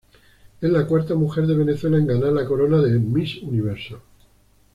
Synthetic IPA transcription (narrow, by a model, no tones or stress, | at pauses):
ezlakwaɾt̪amuxe̞ɾðe̞β̞e̞ne̞θwe̞laẽŋɡanalako̞ɾo̞naðe̞misuniβ̞e̞ɾso